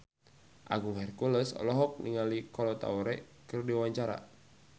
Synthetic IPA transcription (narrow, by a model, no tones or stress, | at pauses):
ʔa̰ɡuŋɦɛrkuləsɔ̰lɔɦɔk̚niŋalikɔlɔt̪a̰uɾɛ | kɨrdiwaɲt͡ʃaɾa̰